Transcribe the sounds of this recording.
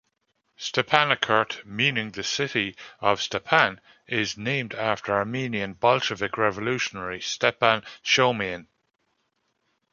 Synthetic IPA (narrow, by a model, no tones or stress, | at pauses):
stɛpʰanəkʰɜ˞tmĩːnɪ̃ŋðəsɪɾiəv̥stɛpʰãn | ɪznẽɪ̃mdaftəɹaɹmĩniə̃nbɒlʃəvɪkʰɹɛvəlʉˑʃənəɹistɛpãnʃoʊmẽn